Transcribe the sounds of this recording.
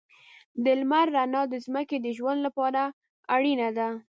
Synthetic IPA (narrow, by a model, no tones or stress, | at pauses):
d̪ɪlmaɾːanɑd̪əzməked̪əʒwand̪lapɑɾa | aɽinad̪a